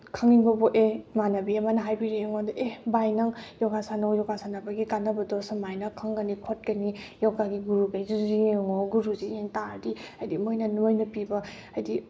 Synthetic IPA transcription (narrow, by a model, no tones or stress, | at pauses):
kʰaŋiŋbɐboʔemanɐbiemanɐɦajbiɾeeŋodɐʔebajnɐŋjɔɡasanawjɔɡasanɐbaɡikanːɐbɐdɔsɐmajnɐkʰaŋɡɐnikʰot̚kɐnijɔwɡaɡiɡuɾuɡajzuzieŋoɡuɾuzijeŋtaɾdiajdimojnɐnojnɐpibɐ | ajdi